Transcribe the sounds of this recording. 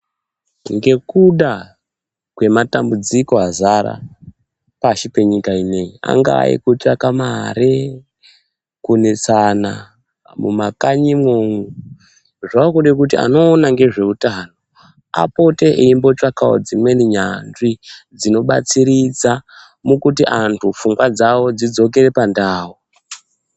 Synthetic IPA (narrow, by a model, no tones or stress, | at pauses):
ŋɡe̞kuɗa | kwe̞matambud͡ziko̞azaɾa̰ | paʃipe̞ɲikaineia̰ŋɡa̰ːḭkut͡ʃakamaɾe | kunet͡sana̰ | mṵmakaɲimwoŋu | ʐaokuɗek̬ut̬ia̰no̞ːnaŋɡe̞ʐe̞utaːno̞ | a̰po̞te̞ʔeimbo̞t͡ʃakao̰d͡zimwe̞niɲanʐid͡zino̞ɓa̰t͡siɾid͡za | mukut̬iʔantʰufuŋɡwad͡zawo̞d͡zid͡zo̞k̬e̞ɾe̞pandaːwo